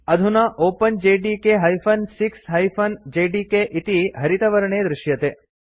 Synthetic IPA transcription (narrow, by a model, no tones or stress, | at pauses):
ɐd̪ʱunɐʔoːpɐnd͡ʒeːɖikeɦɐjpʰɐnsiksɦɐjpʰɐnd͡ʒeːɖiːkeʔit̪iɦɐɾit̪ɐʋɐɾɐɳeːd̪ɾɪʃjɐt̪eː